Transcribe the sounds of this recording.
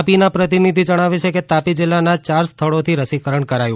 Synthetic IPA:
pinapɾət̪inid̪ʱid͡ʒəɽ̃aʋet͡ʃʰeket̪apid͡ʒɪlːanat͡ʃaɾst̪ʰəɭot̪ʰiɾəsikəɾəɳkəɾajũ

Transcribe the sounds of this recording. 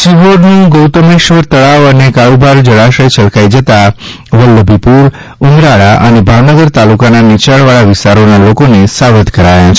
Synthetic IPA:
siʋoɾnũɡowt̪əmeʃʋəɾt̪əɭaʋənekaɭubʱaɾd͡ʒəɭaʃəjt͡ʃəlkajd͡ʒət̪a | ʋəlːəbʱipuɾ | umɾaɭaʔənebʱaʋnəɡəɾt̪alukananit͡ʃaɭʋaɭaʋɪst̪aɾonalokonesaʋət̪kəɾajãt͡ʃʰ

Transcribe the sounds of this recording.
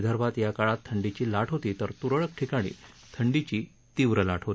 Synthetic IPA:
d̪ʱəɾʋat̪jakaɭat̪ʰːəɳɖit͡ɕiːlaʈʰɦot̪iːt̪əɾt̪uɾəɭək̚ʈʰikaɽ̃ḭːt̪ʰəɳɖit͡ɕiː | t̪iʋɾəlaʈʰɦot̪i

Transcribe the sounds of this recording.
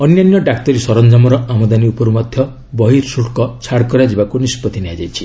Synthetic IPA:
ɔnjanjɔɖak̚t̪ɔɾisɔɾɔnd͡ʒamɔɾɔamɔd̪aniupɔɾumɔd̪ʱjɔ | bɔɦiɾsuʈkɔt͡ʃʰaɽkɔɾad͡ʒibakunispɔt̪ineɦad͡ʒajt͡ʃʰi̥

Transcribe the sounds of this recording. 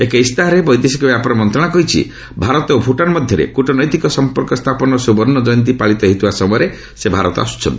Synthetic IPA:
ekeist̪aɦɔɾebɔjd̪esikɔbjapɔɾɔmɔnt̪ɾɔɽ̃akɔɦit͡ʃʰḭ | bʱaɾɔt̪opʰuʈanmɔd̪ʱjɔɾḛkuʈɔnɔjt̪ikɔsɔmpɔɾkɔst̪ʰapɔnɔsubɔɾnɔd͡ʒɔjnt̪̬ipaɭit̪ɔɦit̪ubasɔmɔjɔɾe | sebʱaɾɔt̪ɔa̰su̥t͡ʃʰɔ̰nt̪i̥

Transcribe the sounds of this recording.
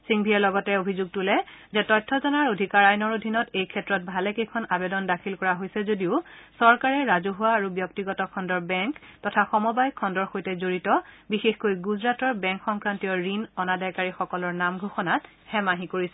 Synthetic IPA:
siŋbʱiɛlɔɡɔtɛobʱizuɡ̚tulɛzɛtɔjtʰːɔzɔnaɹodʱikaɹajnɔɹodʱinɔtejkʰɛtɹɔt̚bʱalɛkejkʰɔnabedɔndakʰilkɔɹaɦojsɛzodiʊsɔɹkaɹɛɹazuɦʊwaːɹubjɔk̚tiɡɔtɔkʰɔndɔɹbɛŋktɔtʰaxɔmɔbajkʰɔndɔɹxojtɛzoɹitɔbixexkojɡuzɹatɔɹbɛ̃ŋkxɔŋkɹantijɔɹinɔnadajkaɹixɔkɔlɔɹnamɡʱoxɔnat | hɛmaɦikoɹisɛ

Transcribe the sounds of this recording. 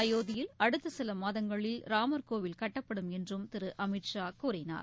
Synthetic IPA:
ɐjoːðɪjɪlɐɽɯt̪ːɯsɪlɐmaːðɐŋɡɐɭɪlɾaːmɐɾkoːʋɪlkɐʈːɐpːɐɽɯmɛndrɯmt̪ɪɾɯʔɐmɪʈʂaːkʊɾɐɪna̰ːɾ

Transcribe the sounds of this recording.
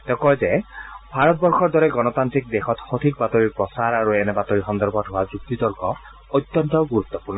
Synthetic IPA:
t̪ɛkɔjzebʱaɹɔt̪̚bɔɹxɔɹd̪ɔɹɛɡɔnɔt̪ant̪ɾik̚d̪exɔt̪xɔt̪ʰikbat̪oɹiɹpɹɔsaɹaɹuenɛbat̪ɔɹixɔnd̪ɔɾbɔtɦoad͡ʒuɡ̚t̪id̪ɔɹɡɔ | ɔt̪jɔnt̪ɔɡuɾut̪ːɔpuɹnɔ

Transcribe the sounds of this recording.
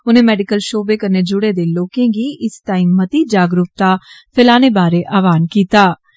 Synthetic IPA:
ʊnẽːmɛːɖɪkəlʃoːbeːkəneːd͡ʒʊɽeːd̪eːloːkẽːɡiːʔɪstaːiːmːət̪iːd͡ʒaːɡɾʊp̚t̪aːpʰɪlaːneːbaːɾeːʔaːʋaːnkiːt̪aː

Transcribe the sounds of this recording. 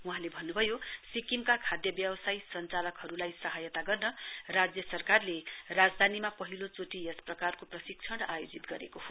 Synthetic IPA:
uɦãlebʱʌnːubʱʌjosikimkakʰad̪jʌbjʌbʌsajsʌnt͡salʌkɦʌɾulajsʌɦajʌt̪aɡʌrnʌrad͡zjʌsʌrkarlerad͡zd̪ʱanimapʌɦilot͡soʈiesprʌkarkoprʌsik̚t͡sʰʌɽajod͡zit̪ɡʌɾekoho

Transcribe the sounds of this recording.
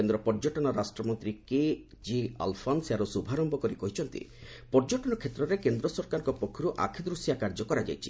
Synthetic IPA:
end̪ɾɔpɔɾd͡ʒɔʈɔnɔɾasʈɾɔmɔnt̪ɾike | d͡ʒia̰lpʰɔnsaɾusubʱaɾɔmbɔkɔɾikɔɦit͡ʃʰɔnt̪ḭpɔɾd͡ʒɔʈɔnɔkʰet̪ɾɔɾekend̪ɾɔsɔɾkaɾɔ̃ŋkɔpokʰːɔɾuʔa̰kʰid̪ɾusjakaɾd͡ʒɔkɔɾad͡ʒa̰jt͡ʃʰi̥̰

